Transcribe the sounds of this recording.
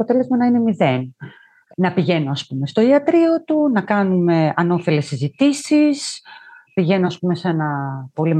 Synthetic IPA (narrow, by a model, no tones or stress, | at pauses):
o̞t̪e̞le̞zmɐnɐine̞miðe̞n | nɐpiʝe̞noɐspume̞st̪oiɐt̪ɾio̞t̪unɐkɐnume̞ɐno̞fe̞le̞sizit̪isispiʝe̞noɐspume̞se̞nɐpo̞lim